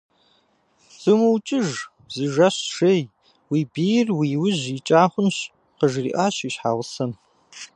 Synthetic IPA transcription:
z̥ɨmuwt͡ʃʼɪʒ | zɨʒɐɕʂej | wiːbiːjrwiːwʊʑit͡ʃʼaːχʷʊnɕ | qəʒrḭːʔaːɕiːɕħaːʁʊsɐn

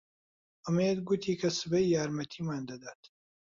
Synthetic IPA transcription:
ʔɨmejed̪ɡut̪ʰiːkʰɐsɨbɐjjaːɾmɐt̪ʰiːmaːnd̪ɐd̪aːt̪

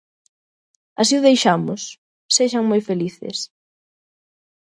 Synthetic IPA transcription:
asiʊðejʃamʊs | seʃaŋmojfeliθɪ̰s

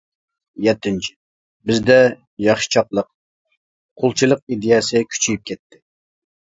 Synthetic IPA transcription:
jɛt̪ːɪnt͡ʃʰɪ̥ | bɪzd̪ɛ | jɑχʃi̥t͡ʃʰɑqlˠəq̚ | qʰolˠt͡ʃʰilˠəq̚id̪ejɛsɨkʲʰy̥t͡ʃʰijip̚kʲʰɛt̪ʰːɪ̥

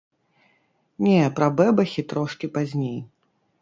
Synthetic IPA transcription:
nʲɛpɾɐbɛbɐxʲit̪ɾɔʂkʲipazʲnʲej

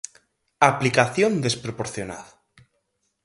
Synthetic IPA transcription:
aplikaθjond̪espɾopoɾθjona̰ð

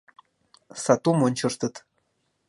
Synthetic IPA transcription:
sɑt̪umonʲt͡ɕɤ̆rt̪ɤ̆t̪

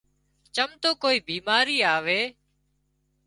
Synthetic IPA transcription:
t͡ʃəmt̪oːkoːiːbiːmaːɾiːaːʋeː

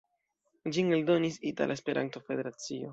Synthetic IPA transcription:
d͡ʒiŋeldo̞nisita̰lʔaespe̞ɾʔa̰nto̞fe̞de̞ɾat͡sio̞

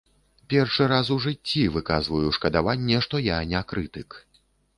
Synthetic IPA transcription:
pʲɛrʂɨɾasuʐɨt͡st͡sʲːivɨkazvujuʂkɐd̪avanʲːɛʂt̪ɔjanʲɛakɾɨt̪ɨk

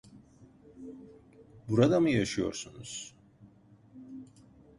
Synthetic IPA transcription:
buɾad̪amɯjaʃɯjo̞̰ɾsunuz̥

